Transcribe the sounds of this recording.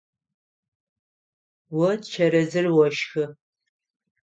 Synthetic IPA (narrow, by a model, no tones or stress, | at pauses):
wɔtt͡ʃʰɐɾɐzɨrwɔʃxɨ